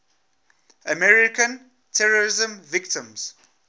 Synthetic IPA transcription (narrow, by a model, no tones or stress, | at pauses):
əmɛɹɪkə̃n | tʰɛɹəɹɪzə̃mvɪktɪ̃mz̥